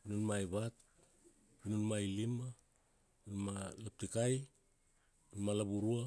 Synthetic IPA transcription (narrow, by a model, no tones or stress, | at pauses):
inunmajβat̚ | inunmajlima | nunmalap̚tikaj | unmalaβuɾua